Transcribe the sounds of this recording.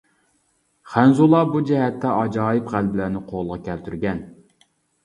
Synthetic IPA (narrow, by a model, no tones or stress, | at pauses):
χænzulˠɑbud͡ʒɛɦɛt̪ʰːɛɑd͡ʒɑːjɪpʁælbɪlænɪqʰolˠʁɑkʲʰælt̪ʰyɾɡʲɛn